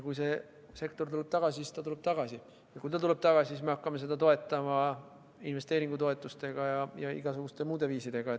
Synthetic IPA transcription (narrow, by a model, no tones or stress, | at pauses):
kujse̞ | se̞kt̪o̞rt̪ule̞b̥̚t̪ɑɡ̥ɑsʲisist̪ɑt̪ule̞b̥t̪ɑɡ̥ɑsi | jɑkujt̪ɑt̪ule̞b̥̚t̪ɑɡ̥ɑsʲisisme̞ɑkːɑme̞s̬e̞d̪ɑt̪o̞e̞t̪ːˑɑmɑ | inve̞st̪eːɾiŋɡ̥ut̪o̞e̞t̪ːˑust̪e̞ɡ̥ɑjɑjɑḭɡ̥ɑsuɡ̥ust̪e̞muːd̪e̞viːsid̪̥e̞ɡ̥ɑe